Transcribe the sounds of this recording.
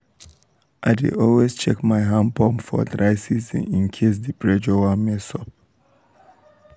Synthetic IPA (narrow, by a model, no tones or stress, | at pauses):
ʔaɪdḭɔlwezt͡ʃɛkmaɪɦãmpɔ̃mfɔ̰dɾaɪsizḭ̃nĩnkʰes̬dipɹɛd͡ʒɔwamesɔp̚